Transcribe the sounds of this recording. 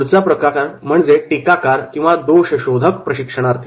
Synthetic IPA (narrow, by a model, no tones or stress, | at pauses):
ɾt͡sapɾəkakaɾm̤əɳd͡zeʈikakaɾkĩw̃ʋad̪oɕəɕod̪ʱəkpɾəɕikʂəɽ̃aɾt̪ʰi